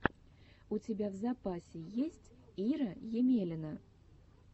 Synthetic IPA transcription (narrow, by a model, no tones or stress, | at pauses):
ut͡sʲɪbʲavzɐpasʲɪjesʲtʲiɾəjɪmʲelʲɪnə